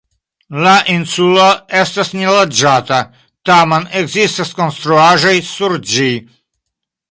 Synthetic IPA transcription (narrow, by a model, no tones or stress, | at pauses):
laʔinsulaest̪asnʲilad͡ʒat̪a | t̪amaneɡzist̪askonst̪ɾuaʒajsuɾd͡ʒi